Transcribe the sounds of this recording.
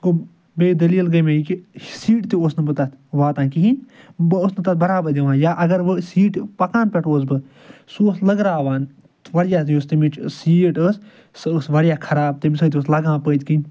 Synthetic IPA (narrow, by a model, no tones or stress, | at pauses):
ko | beːd̪ɐliːlɡɐmẽikisiːʈt̪iosnɨbɨt̪ɐt̪ʰʋaːt̪ãːkiɦin | bosnɨt̪ɐt̪̚bɐɾaːbɐd̪iʋãːnjaːʔɐɡɐɾʋɨsiːʈpɐkãːnpɛʈoːs̬bɨ | suoslɐɡɾaːʋaːn | t̪ʋɐɽjaːt̪jost̪imit͡ʃsiːʈɨs | ssʋɐɽjaːkʰɐɾaːb̚t̪ebisɐːt̪ioːslɐɡãːpəːd̪ʲkin